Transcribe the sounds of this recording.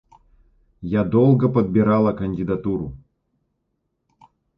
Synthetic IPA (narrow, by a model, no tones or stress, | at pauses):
jad̪olˠɡəpəd̪̚bʲɪɾalˠɐkənʲdʲɪd̪at̪uɾʊ